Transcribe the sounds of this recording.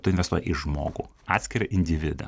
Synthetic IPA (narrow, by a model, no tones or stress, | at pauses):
t̪ʊɪnʋʲɛst̪uɔjɛʔɪʒmo̰ːɡṵː | ɑːt̪ʲsʲkʲɪɾʲɐʔɪnʲd̪ʲɪʋʲɪd̪ɐ̰